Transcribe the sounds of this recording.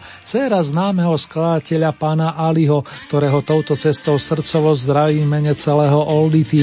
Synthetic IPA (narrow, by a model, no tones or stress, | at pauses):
t͡sɛːɾaznaːmɛɦɔsklad̪acɛʎapaːnaʔaliɦɔktt̪ɔɾɛːɦɔt̪ɔʊt̪ɔt͡sɛst̪ɔʊsr̩t͡sɔʋɔzd̪ɾaʋiːmɛɲɛt͡sɛlɛːɦɔʔɔld̪it̪i